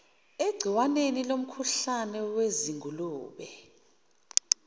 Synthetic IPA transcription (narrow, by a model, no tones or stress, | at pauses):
eɡ͡ǀʱiwanenilom̩kʰuɬanɛweziŋʱuluːɓɛ